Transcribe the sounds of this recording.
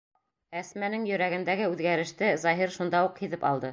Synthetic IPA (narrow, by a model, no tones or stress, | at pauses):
æsmænɘŋjɵ̆ɾæɡɘ̆nd̪æɡɘʉðɡæɾɘ̆ʃt̪ɘzɑɦiɾʃund̪ɑuqhiðɘpɑlˠd̪ɤ